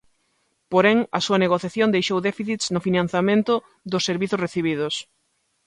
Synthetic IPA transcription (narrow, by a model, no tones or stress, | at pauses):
poɾɛŋɐsuɐneɣoθjaθjõnd̪ejʃowðɛfiθit̪snʊfinãn̟θamẽnt̪ʊ | ðʊsːeɾβiθʊsreθiβ̞ið̞ʊs